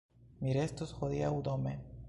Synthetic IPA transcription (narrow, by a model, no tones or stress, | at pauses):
miɾest̪osxoðiaud̪ome